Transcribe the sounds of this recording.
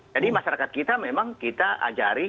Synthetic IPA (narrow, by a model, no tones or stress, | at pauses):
d͡ʒadimaʃaɾakat̪̚kit̪amemaŋkit̪aʔa̰d͡ʒaɾi